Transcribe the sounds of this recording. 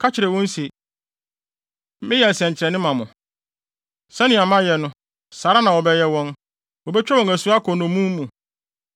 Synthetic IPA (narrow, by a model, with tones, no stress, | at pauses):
kʰa˦t͡ɕʰɪ˨ɾɛ˨wɔ̃˦n˦si˨ | m˦mɪ̃˦jɛ˨n̩˨sɛ̃˨ɲ˨t͡ɕʰɪ˨ɾɛ˨nɪ̃˦mã˨mʊ̃˨ | sɛ˦nɪ̃˨a˨mã˦jɛ˨nʊ̃˦ | saː˨ɾa˦nã˨wɔ˨bɛ˦jɛ˦wɔ̃˦n | wɔ˨bɛ˦t͡ɕᶣɛ˦wɔ̃˨ŋæ˨su˨˦a˦kʰɔ˨nʊ̃˨mũ˦m˦mũ˨